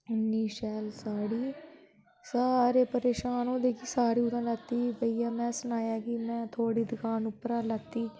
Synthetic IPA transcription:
ʊnːiːʃɛːlsaːɽiː | saːɾeːpəɾeːʃaːnõːd̪eːkʰiːsaːɾiːʊd̪ãːlət̪ːiːbəiːãːmɛ̃ːsənaːjaːkimɛ̃ːt̪ʰoːɽiːd̪ɪkʰaːnʊpːəɾãːlət̪ːiː

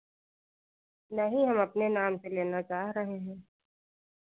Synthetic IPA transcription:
naɦĩɦɐmɐpnenaːmseleːnat͡ʃaːɦɾɐɦeɦɛ̃ː

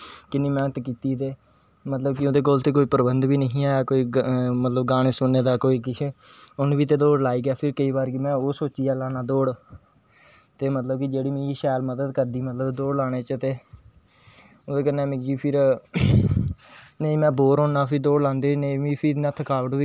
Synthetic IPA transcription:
kɪnĩːmɛ̃ːt̪ːkiːt̪iːt̪eː | mət̪ləbkɪoːd̪eːk̬oːlt̪eːkoːiːpəɾbənd̪ʋiːnəɦĩːaːɛːkoːiːmət̪ləb̚ɡaːɽ̃eːsʊnːeːd̪aːkoːiːkɪt͡ʃʰeʊnʋiːt̪̬eːd̪oːɽlaːiːɡjaːpʰɪɾkəiːbaːɾɡimɛ̃ːoːsoːt͡ʃiːaːlaːnaːd̪oːɽ | t̪eːmət̪ləb̚kɪd͡ʒeːɽiːmẽːiːʃaːlməd̪əd̪kəɾd̪iːmət̪ləbd̪oːɽlaːɽ̃eːt͡ʃət̪eː | oːd̪eːk̬ənːẽːmɪ̃ɡiːpʰɪɾ | nəĩːmɛ̃ːboːɾɦõːnaːpʰɪd̪oːɽlãːnd̪eːnəĩʋĩːpʰɪnːt̪ʰəkaːʋəʈʋiː

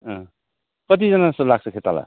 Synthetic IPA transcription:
ʌ̃ | kʌt̪̬id͡zʌnasʌlaɡ̚sʰʌkʰet̪ala̰

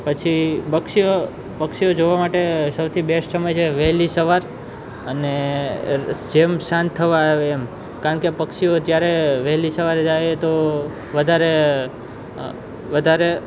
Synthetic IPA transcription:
pət͡ʃʰibəkʃio | pəkʃiod͡ʒoʋamaʈesəwt̪ʰibeʃsəməjt͡ʃʰeʋɛɦlisəʋaɾ | əne | d͡ʒemʃãnt̪ʰːəʋaeːm | kaɾəɳkepəkʃiot̪jaɾeʋəɦlisəʋaɾd͡ʒajt̪o | ʋəd̪ʱaɾe | ʋəd̪ʱaɾe

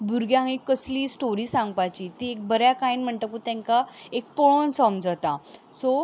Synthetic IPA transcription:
bʱuɾɡjãikːəsliːsʈoɾiːsãŋɡpat͡ɕit̪iek̚bəɾjakainm̤əɳt̪əkut̪ɛ̃ŋkaek̚poɭonsɔmd͡zat̪aso

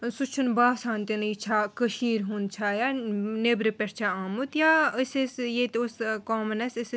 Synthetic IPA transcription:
sut͡ʃʰunbaːsãːnt̪init͡ʃʰakəʃiːɾɦunt͡ʃʰaːjaːnebɾepʲeɾt͡ʃʰaaːmut̪jaːəsesjet̪oskoːmɐnɐsis

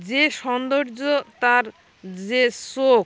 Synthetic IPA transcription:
d͡ʑeʃɔnd̪oɾd͡ʑot̪aɾ | d͡ʑesok

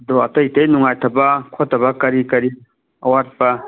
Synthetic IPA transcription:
dɔatɐitejnuŋajtʰɐbɐkʰotʰːɐbɐkɐɾikɐɾi | ɐwaɾpa

